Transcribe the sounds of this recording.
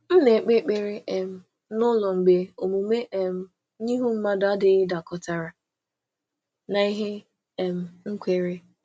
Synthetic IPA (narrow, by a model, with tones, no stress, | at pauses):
m̩˦ne˨k͡pe˦k͡pe˦ɾe˦ʔɛ˨m̩˨ | nʊ˦lɔ˨ŋ͡m̩˨ɡ͡be˨˦o˨mu˨me˦ʔe˦m̩˦ | ɲi˦ɦu˦m̩˦ma˦da˦dɪ˨ɪ˦da˨kɔ˨ta˨ɾa˨ | na˨i˦ɦe˦ | ɛ˨m̩˨ŋ̩˦kʷe˨ɾe˦